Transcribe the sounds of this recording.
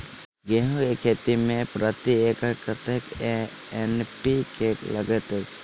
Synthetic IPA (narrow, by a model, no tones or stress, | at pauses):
ɡeɦõkekʰeːt̪imẽpɾət̪iekkət̪ek | enpikʰekləɡət̪et͡ʃ